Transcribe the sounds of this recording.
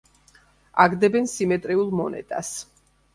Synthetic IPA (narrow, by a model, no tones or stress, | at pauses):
aɡd̪ɛbɛnsimɛt̪ʼɾiulˠmɔnɛ̰t̪ʼa̰s